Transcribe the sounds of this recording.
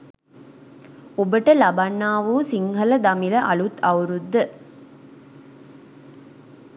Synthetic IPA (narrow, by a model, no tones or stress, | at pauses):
obəʈəlɐbanːaːʋusiŋɦɐləd̪ɐmiləʔɐlut̪ɐwɾud̪ːə